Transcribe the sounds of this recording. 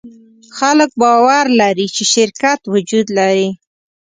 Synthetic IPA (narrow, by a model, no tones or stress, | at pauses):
xalək̚bɑwaɾlaɾit͡ʃeʃɪɾkat̪wʊd͡ʒud̪laɾi